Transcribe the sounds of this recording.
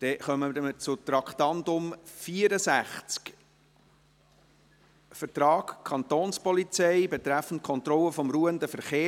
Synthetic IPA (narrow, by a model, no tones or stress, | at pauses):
d̥ɛχœmədmət͡sʊt̪ɾɑkχt̪ɑndʊmfiəɾəsæχt͡sk | fəɾtrɑːkkʰɑnt̪oːnspɔlit͡sɛɪbet̪ɾæfən̩t̚kʰɔnt̪ɾɔlːəfɔmɾuːəndəfəɾχeː